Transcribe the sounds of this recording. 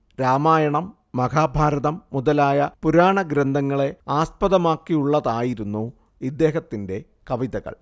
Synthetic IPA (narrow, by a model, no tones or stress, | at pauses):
ɾaːmaːjɐɳɐmː | ɐɡaːbʱaːɾɐðɐmːuðɐlaːjɐpuɾaːɳɐɡɾend̪ʱɐŋːɐɭe̞aːspɐðɐmaːkːiuɭːɐðaːjiɾunːu | id̪ːe̞ːɦɐt̪ːinde̞ | kɐʋiðɐɣɐ̰ɭ